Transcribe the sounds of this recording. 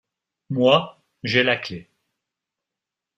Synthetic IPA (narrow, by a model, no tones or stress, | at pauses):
mwa | ʒelakle